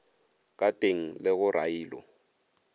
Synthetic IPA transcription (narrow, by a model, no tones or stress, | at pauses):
k̬ʼatʼeŋ̩lɪɣʊrʔa̰jiːlɔ̰